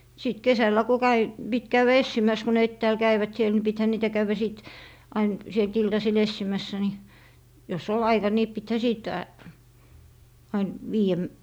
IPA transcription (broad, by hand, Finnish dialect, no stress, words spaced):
siˑt kesælːæ ko kæi pit kæyw̆æ esːimæs ko ne etːæːl kæiʋæt siel ni pithæ niːtæ kæywæ siˑt ɑin sielt iltɑsil esːimæsːæ ni jos ol ɑikɑ ni pithæ siˑt ɑin ʋiːæ